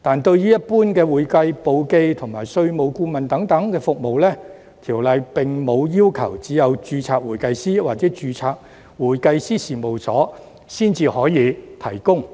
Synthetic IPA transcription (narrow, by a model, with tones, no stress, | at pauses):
t̪aː˨nt̪ɵ˧ɥjyː˥jɐ˥t̚puː˥nkɛː˧wuː˨˩jkɐ˧jpo˧wke˧jt̪ʰʊ˨˩ŋmaː˨˩jsɵ˧ɥmo˨˧wkuː˧mɐ˨nt̪ɐ˨˥ŋt̪ɐ˨˥ŋkɛː˧fʊ˨k̚mo˨wlɛː˥ | t̪ʰiː˨˩wlɐ˨˧jpɪ˨ŋmo˨˧wjiː˥wkʰɐ̰˨˩wt͡siː˨˥jɐ˨˧wt͡ʃyː˧t͡sʰaː˧k̚wuː˨˩jkɐ˧jsiː˥waː˨t̚t͡sɛː˨˥t͡ʃyː˧t͡sʰaː˧k̚ | wuː˨˩jkɐ˧jsiː˥siː˨mo˨˩wsɔ̰ː˨˥ | siː˥˩nt͡siː˧hɔː˨˥jiː˨˧t̪ʰɐ˨˩jkʊ˥ŋ